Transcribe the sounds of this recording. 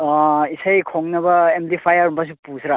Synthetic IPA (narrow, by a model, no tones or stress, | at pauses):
isajkʰoŋnɐbɐemdipʰajaɾumbas̬upusɾa